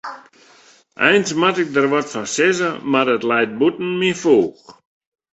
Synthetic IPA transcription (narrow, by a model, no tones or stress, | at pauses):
ʔɛ̰jnsmatɪk̚dərʋɔtfɔnsɪzəmarətlɛjt̚butn̩mifuːx